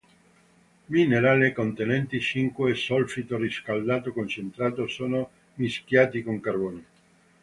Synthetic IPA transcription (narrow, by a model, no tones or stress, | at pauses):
mineɾaːlekont̪enɛnt̪it͡ʃiŋkwesɔlfit̪oriskald̪aːt̪okont͡ʃent̪ɾaːt̪osoːno | miskjaːt̪ikoŋkarboːne